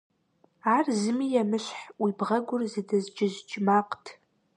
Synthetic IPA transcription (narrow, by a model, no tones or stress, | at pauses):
aːrzɨmijɛmɨɕħwibʁɐɡʷʊrzɨdɐzd͡ʒʼɪʒd͡ʒʼmaːqtʰ